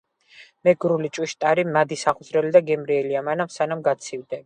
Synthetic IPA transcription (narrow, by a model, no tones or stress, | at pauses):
mɛɡɾulit͡ʃʼwiʃt̪ʼaɾimad̪isaχuzɾɛlid̪aɡɛmɾiɛliamanamsanamɡat̪sʰivd̪ɛ